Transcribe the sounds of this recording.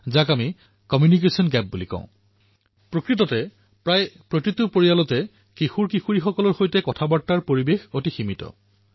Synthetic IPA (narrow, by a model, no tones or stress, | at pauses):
zakami | kɔmjunik̬esiɔnɡɛp̚bulikɔ̰̃ʊ̃ | pɹokɹitɔtɛ | pɹajpɹotitupoɹialɔtɛ | kixuɹkixuɹixɔkɔlɔɹxojtɛkɔtʰabaɹtːaɹpoɹibexotiximitɔ̰